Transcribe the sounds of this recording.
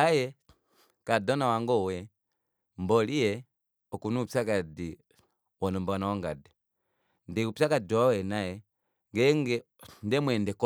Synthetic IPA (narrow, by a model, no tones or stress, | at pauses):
ajɛ | kadɔnawaŋɡɔwɛ | mbɔlijɛ | ɔkunupakadi | wɔnɔmbanawaŋɡadɛ | ndɛupsakad͡ʒɔwawɛnajɛ | ŋɡɛŋɡɛ | ndɛmwɛndɛkɔ